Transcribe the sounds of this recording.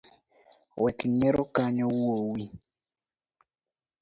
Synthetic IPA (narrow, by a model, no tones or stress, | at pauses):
wʔɛkɲɛɾokaɲɔwuowi